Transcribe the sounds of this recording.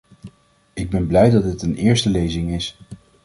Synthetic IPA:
ɪɡ̚bɛnblɛjdɑd̚dɪtənɪːɹstəlejzɪŋɪs

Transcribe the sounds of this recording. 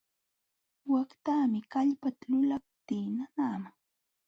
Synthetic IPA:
wakt̪aːmɪkaʎpat̪alʊlap̚t̪iːnanaːma

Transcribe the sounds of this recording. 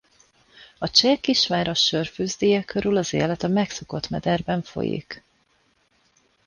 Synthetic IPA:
ɒt͡ʃɛkiʃmaːɾɒʃørfyːzd̪iːjɛkʰøɾylɒzḛːlɛt̪ɒmɛkso̞ko̞t̪mɛd̪ɛrbɛɱfo̞̰jḭk

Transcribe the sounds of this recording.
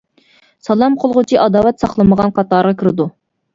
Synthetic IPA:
sɑlˠɑmqʰolˠʁʊt͡ʃʰiʔɑd̪ɑːwɛt̪sɑχlˠɨməʁɑnqʰɑt̪ɑɾʁɑkʰʲiɾɪd̪u

